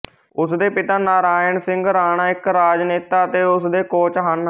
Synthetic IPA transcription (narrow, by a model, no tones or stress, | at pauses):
ʊsd̪eːpɪt̪aːnaːɾaːɪnsɪ̃ŋɡɾaːɳ̃aːɪkɾaːd͡ʒneːt̪aːət̪eːʊsd̪eːkoːt͡ʃɦan